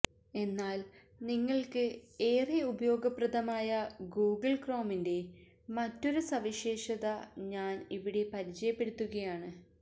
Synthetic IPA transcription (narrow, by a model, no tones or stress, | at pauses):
e̞nːaːl | niŋːɐɭkɨe̞ːriubɐjo̞ːɡɐprɐðɐmaːjɐɡuːɡɨlkro̞ːminde̞ | mɐtːo̞ɾusɐʋiɕe̞ːʂɐðɐɲaːniʋiɽe̞pɐɾit͡ɕɐjɐpːe̞ɽut̪ːuɣɐjaːɳɨ